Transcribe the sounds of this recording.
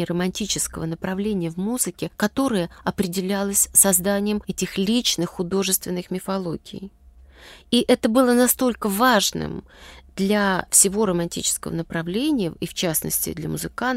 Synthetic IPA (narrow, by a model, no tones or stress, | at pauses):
rəmɐnʲtʲit͡ɕɪskəvənəpɾɐvlʲenʲɪjəvmuzɨkʲɪkɐt̪o̞ɾəjəɐpɾʲɪdʲɪlʲalˠəsʲsɐzd̪anʲɪjəmɛtʲɪxlʲit͡ɕnɨxːʊd̪o̞ʐɨst̪vʲɪnːɨxmʲɪfɐlˠo̞ɡʲɪ̰j | iʔɛt̪əbɨlˠənɐst̪o̞lʲkəvaʐnɨ̰md̪̥lʲafsʲɪvo̞ɾəmɐnʲtʲḭt͡ɕɪ̥skəvə̰nəpɾɐvlʲenʲɪjəift͡ɕasnə̰sʲtʲɪ̰d̪lʲəmʊzɨkan